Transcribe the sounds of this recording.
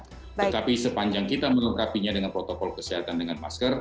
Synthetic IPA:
t̪ət̪apisəpaɲd͡ʒaŋkit̪aməŋukapiɲadəŋanpɾot̪okɔlkəsiɦat̪andəŋanma̰skər

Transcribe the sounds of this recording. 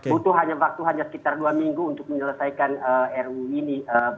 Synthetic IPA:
ut̪uɦaɲawak̚t̪uɦaɲasə̥kit̪arduamiŋɡuːnt̪ʊk̚məɲələsajkanəɛruiniə

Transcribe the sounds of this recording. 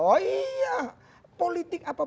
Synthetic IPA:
ɔija | polit̪ɪkapa

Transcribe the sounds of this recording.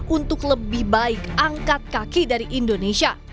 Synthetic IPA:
unt̪ʊkləbɪhbaɪkʔaŋkat̪̚kakidaɾiʔindonesia

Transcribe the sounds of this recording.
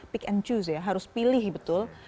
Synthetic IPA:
pɪkɛnt͡ʃusjaɦaɾʊspilɪhbət̪ʊl

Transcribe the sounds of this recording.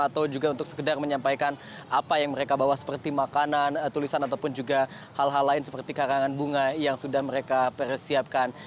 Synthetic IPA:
at̪awd͡ʒuɡaunt̪ʊk̚sə̥kədarməɲampajkan | ʔapajaŋməɾekabawahsə̥pərt̪imakanant̪ulisanat̪̬awpʊnd͡ʒuɡa | halɦalːaɪnsə̥pərt̪ikaɾaŋanbuŋajaŋsudahməɾekapərsiap̚kan

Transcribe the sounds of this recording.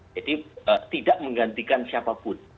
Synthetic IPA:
d͡ʒadiət̪idaʔməŋɡant̪ikansiapapʊn

